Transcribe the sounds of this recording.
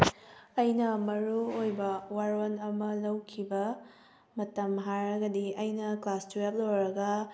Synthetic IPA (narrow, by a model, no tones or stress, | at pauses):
ɐjnɐmɐɾuojbɐwaɾonɐmɐlɐwkʰibɐ | mɐtɐmɦaɾɐɡɐdiɐjnɐklastɾap̚lowɾɐɡɐ